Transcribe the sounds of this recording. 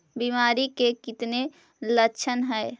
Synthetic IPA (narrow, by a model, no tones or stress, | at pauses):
bimaːɾikekɪt̪ne | ləkːt͡ʃʰənɦɛj